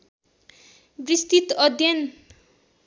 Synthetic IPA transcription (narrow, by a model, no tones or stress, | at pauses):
brist̪it̪ʌd̪ʱjʌn